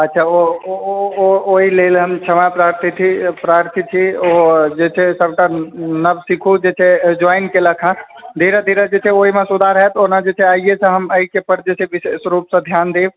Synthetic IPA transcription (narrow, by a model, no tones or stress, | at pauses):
ətːʃʰao | ooɦilelɦəmt͡ʃʰəmapɾaɾt̪ʰit̪ʰipɾaɾt̪ʰit͡ʃʰiod͡ʒet͡ʃʰɛsəbʈanəbsikʰud͡ʒet͡ʃʰed͡ʒɔɪnkeləkʰã | d̪ʱiɾəd̪ʱiɾəd͡ʒet͡ʃʰɛoɦimesud̪ʱaɾəɦɛt̪onad͡ʒet͡ʃʰɛaijet͡ʃʰə̃ɦəməikepəɾd͡ʒet͡ʃʰeʋisesɾupsə̃d̪ʱjand̪eːb